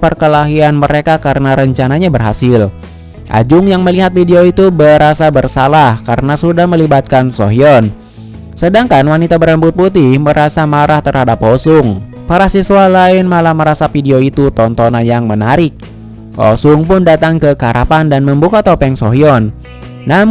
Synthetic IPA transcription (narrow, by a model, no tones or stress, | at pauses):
pərkəlaɦianməɾekakaɾənaɾəɲt͡ʃanaɲabərɦasɪl | ʔa̰d͡ʒʊŋjaŋməliɦat̪̚fideoit̪ubəɾasabərsalahkaɾənasudahməlibat̪̚kansoɦiɔn | sədaŋkanwanit̪abəɾəmbʊt̪̚put̪ɪhməɾʔasamaɾaht̪ərhadaposʊŋ | paɾahsisualaɪnmalahməɾasafideoit̪ut̪ɔnt̪onanjaŋmənaɾɪk̚ | o̰sʊŋpʊndat̪aŋkəkaɾapandanməmbukat̪opɛŋsoɦiɔnː | am